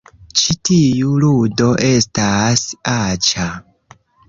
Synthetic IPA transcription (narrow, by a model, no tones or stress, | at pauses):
t͡ʃitijuludo̞ʔe̞stasat͡ʃa